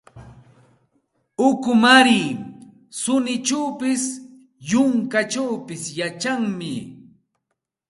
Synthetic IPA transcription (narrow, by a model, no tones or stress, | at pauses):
ʊkʊmaɾiː | sʊnɪt͡ʃawpɪs | jʊŋkaʈ͡ʂawpɪsjat͡ʃaŋmɪ̰